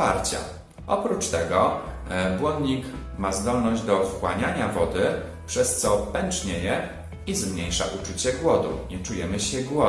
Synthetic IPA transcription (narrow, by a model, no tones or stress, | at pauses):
a̰ɾt͡ɕa̰ | ɔpɾut͡ʂt̪ɛɡɔ | bwɔnd̪ɲik | mazd̪ɔlnɔʑd͡ʑd̪ɔkwaɲaɲavɔd̪ɘ | pʂɛst̪sɔpɛnt͡ʂɲeɛjɛ | izmɲejʂa̰ʔut͡ʂut͡ɕɛɡwɔd̪ṵɲɛt͡ʂujɛmɘɕɛɡwɔ